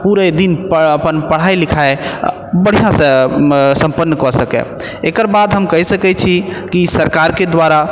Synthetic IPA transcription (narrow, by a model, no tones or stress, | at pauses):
puɾəd̪inpəəpənpəɽ̤ajlikʰae | bəɽ̤ijãsə̃sə̃mpənːəkɔsəkɛ̰ | ekəɾbad̪ɦəmkəɦɛsəkɛt͡ʃʰikisəɾkaɾked̪waɾa